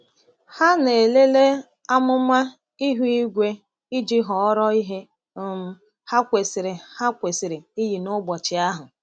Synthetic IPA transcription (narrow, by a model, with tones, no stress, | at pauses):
ha˦ne˨le˦le˦ | a˦mʊ˦ma˦ | i˦ɦu˦i˦ɡʷe˦ | i˦d͡ʒi˦ɦɔ˨ɔ˦ɾɔ˦i˦ɦe˦˨ | m̩˨ | ha˦kʷe˨sɪ˨ɾɪ˨ha˦kʷe˨si˨ɾɪ˨i˦ji˨nʊ˦bɔ˨t͡ʃɪ˨a˦ɦʊ˨